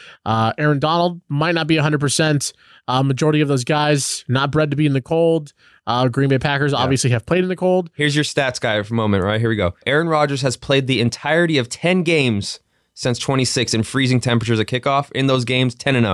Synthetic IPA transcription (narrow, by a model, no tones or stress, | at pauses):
ʔʌɛɹɨ̃ndɑnl̩ˠd̚maɪt̚ⁿnət̚b̥iɨɦʌ̃ndɹəd̚pʰə˞sɛ̃nt | ʌmɨd͡ʒɔɹɨɾiʌvðoʊzɡaɪznət̚b̥ɹɛd̚tɨbiɨ̃nðɨkʰoʊlˠd̚ | ʔʌɡɹĩnmbeɪpʰækə˞zɑ̰bviɨsliɨv̥pʰl̥eɪɾɨ̃nðɨkʰoʊlˠd̥̚hɪɹzjə˞stætsɡ̥aɪɨt̚ðəmõʊ̃mɨ̃nʔ̚ɹaɪt̚ɦiɹwiɡoʊʔɛɹɨ̃nɹɑd͡ʒə˞z̥ɨz̥pʰl̥eɪd̪̚ðiɨ̃ntʰaɪə˞ɾiʌv̥tʰɛ̃nɡẽɪ̃mz̥ | sɪ̃nstʰw̥ɛ̃ɾ̃isɪksɨ̃nfɹizɪ̃ŋtʰɛ̃mpɹət͡ʃə˞zɨkʰɪkɔfɪ̃nðoʊzɡẽɪ̃mz̥tʰɛ̃ñɨ̃nʌ̰